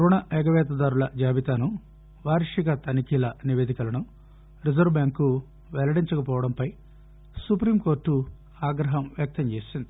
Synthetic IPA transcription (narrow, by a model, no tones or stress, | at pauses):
kɾɔːnaʔɛɡɐʋɛːt̪̬ɐd̪aːɾulɐd͡ʒaːʋit̪aːnu | ʋaːɾʂiɡɐt̪ɐnikilɐniʋeːd̪ikɐlɐnu | ɾizɐɾʋbjaːŋkːu | ʋɛlɐɽiɲt͡ʃɐkɐpɔːʋɐɽɐmpɐj | supɾiːmko̞ːɾʈːu | aːɡɾɐɦɐmʋjɐk̚t̪ɐɲt͡ʃeːsind̪i